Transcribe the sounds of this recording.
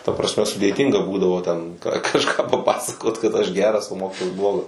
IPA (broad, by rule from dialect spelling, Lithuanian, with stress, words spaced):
tɐ prɐsʲˈmʲɛ sʊdʲeːˈtʲiːŋɡɐ ˈbuːdɐʋoː tʲɛn kɐ kɐʃˈkɑː pɐˈpɑːsɐkoːt kɐt ɐʃ ˈɡʲæːrɐs oː ˈmoːkʲiːtoːjɛs ˈblˠoːɡɐs